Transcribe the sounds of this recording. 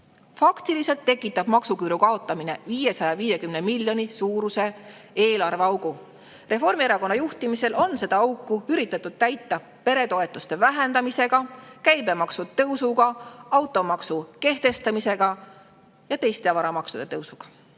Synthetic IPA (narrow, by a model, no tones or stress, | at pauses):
fɑkt̪ilise̞lt̪ːe̞kːˑit̪ːˑɑb̥mɑksukyːɾukɑo̞t̪ˑːɑmine̞̰viːje̞sɑjɑviːje̞kymnemiljo̞nisuːɾuse̞ | eːlɑrveɑwɡ̥u | re̞fo̞rmieɾɑko̞nːɑjuht̪imise̞lʔo̞nse̞d̪ɑɑwkːˑuyɾit̪ːˑɑt̪ːˑud̪̥̚t̪æjt̪ːˑɑ | pe̞ɾe̞t̪o̞e̞t̪ːˑust̪e̞væɦe̞nd̪ɑmise̞ɡ̥ɑkæjbe̞mɑksut̪ɤwsuɡ̥ɑɑwt̪ːˑo̞mɑksuke̞ht̪e̞st̪ɑmise̞ɡ̥ɑ | jɑt̪e̞jst̪e̞ɑvɑɾɑmɑksud̪e̞t̪ɤwsuɡ̥ɑ̥